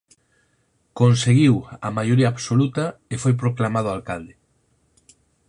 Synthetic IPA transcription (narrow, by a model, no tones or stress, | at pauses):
konseɣiwamajoɾiɐaːβsolut̪aefojp̬ɾoklamað̞oalkald̪e